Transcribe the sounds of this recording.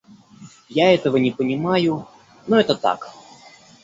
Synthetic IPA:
jaɛt̪əvənʲɪpənʲɪmajʊ | noɛt̪ət̪a̰k

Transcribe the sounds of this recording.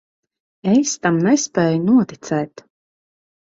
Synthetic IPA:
est̪amnɛspɛːjunuɔt̪it̪sɛːt̪

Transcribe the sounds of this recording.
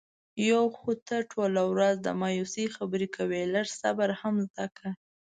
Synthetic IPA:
jawxut̪əʈʰolawɾazd̪ə̰mɑjusixabəɾikʰawelaɾsa̰baɾhamzd̪aka

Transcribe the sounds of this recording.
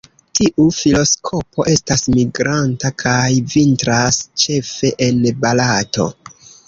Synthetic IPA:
tiʔufilo̞skʰo̞po̞ʔe̞stasmiɡɾantakʰajvintɾast͡ʃe̞fe̞ʔenbalato̞̰

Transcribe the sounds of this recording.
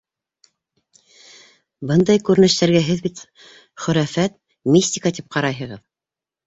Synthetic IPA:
bɤnd̪ɑjkʉɾɘ̆nɘ̆ʃt̪æɾɡæɦɘðbit̪ | χɵ̆ɾæfæt̪ | mʲisʲt̪ʲikat̪ip̚qɑɾɑjɦɤ̆ʁɤð

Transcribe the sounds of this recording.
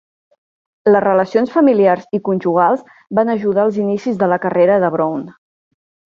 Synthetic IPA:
ləzrələsionsfəmiliarzikunʲʒuɣ̞alˠz | banəʒuð̞aəlˠzinisizðələkəreɾəðəβɾown

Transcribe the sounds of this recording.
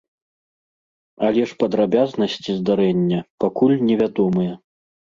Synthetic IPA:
alʲɛʂpɐd̪ɾabʲaznɐsʲt͡sʲizd̪aɾɛnʲːɐpakulʲnʲɛvʲad̪ɔmɨjɐ

